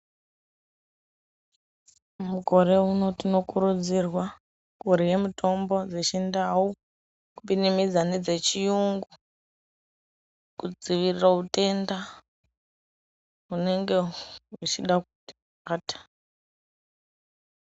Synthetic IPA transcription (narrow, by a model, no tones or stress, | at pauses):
muɡʱo̞ɾe̞uno̞tino̞kuɾud͡zirwa | kuɾije̞mitʰo̞mbo̞d͡zet͡ʃendawu | kupinimid͡zane̞d͡ze̞t͡ʃijuŋɡu | kud͡ziʋiriraute̞nda | ɦune̞ŋɡe̞ut͡ʃiɗak̚uti | aːtḁ